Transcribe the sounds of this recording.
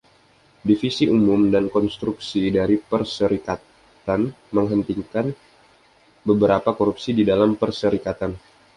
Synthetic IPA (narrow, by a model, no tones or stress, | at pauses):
difisiʔumʊmdankɔnst̪ɾuksidaɾipərsəɾikat̪ | t̪an | məŋɦənt̪iŋkan | bəbəɾapakoɾupsididalampərsəɾikat̪an